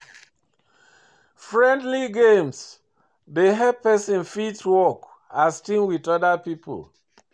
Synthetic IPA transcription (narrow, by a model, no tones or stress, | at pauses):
fɹɛ̃ndliɡẽms | deɦɛpɛsĩnfidswɔk | astĩnwiðɔdapipʰo̰l